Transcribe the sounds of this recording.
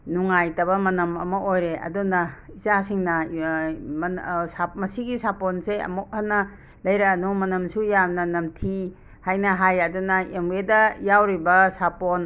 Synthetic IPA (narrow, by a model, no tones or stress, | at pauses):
nuŋajtɐbɐmɐnɐmɐ̰mɐʔojɾeɐ̰dunɐizasiŋnɐ | samɐsiɡisaponseɐ̰mok̚hanːɐ | lɐjɾɐːnumɐnɐmsujamnɐnɐmtʰi | hajnɐɦajɐdunɐemwedɐjawɾibɐsapon